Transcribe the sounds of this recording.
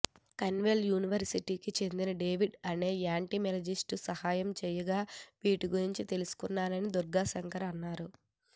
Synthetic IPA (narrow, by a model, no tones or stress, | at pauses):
kɐnʋeljuːniʋɐɾsiʈiːkit͡ʃe̞nd̪inɐɖe̞ːʋiɖɐne̞ːaːɳʈimɛlɐd͡ʒisʈusɐhaːjɐmt͡ʃɛːjɐɡaːʋiːʈiɡuɾiɲt͡ʃit̪e̞lusu̥kunːaːlɐnid̪uɾɡaːsɐŋkɐɾɐnːaːɾu